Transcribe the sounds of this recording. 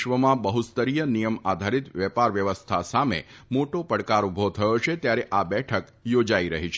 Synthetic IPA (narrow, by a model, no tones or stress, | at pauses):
ʋəmãbəɦust̪əɾijənijəmad̪ʱaɾit̪ʋɛpaɾʋjəʋəst̪ʰasamḛmoʈopəɽkaɾubʱot̪ʰəjoʃet̪jaɾeʔabɛʈʰək | jod͡ʒaiɾəɦit͡ʃʰ